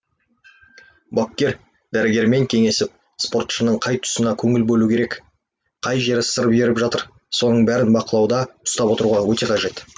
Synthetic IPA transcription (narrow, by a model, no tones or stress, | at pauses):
bokʲːe̞ɾ | d̪̥æɾɪɡʲe̞ɾme̞ŋkʲʰe̞ŋe̞sɪp̚ | spo̞rt̪ʃənəɴqʰɑjt̪ʰʊ̥sənɑkʲʰɵŋɪlbɵlukʲʰe̞ɾe̞k | qʰɑjʒe̞ɾɪsəɾəpʒe̞ɾɪpʒɑt̪əɾ | so̞nəɴbæɾɪnbɑqəlˠɑwd̪ɑʊ̥st̪ɑpwo̞t̪əɾuʁɑwɵt̪e̞qʰɑʒe̞t̪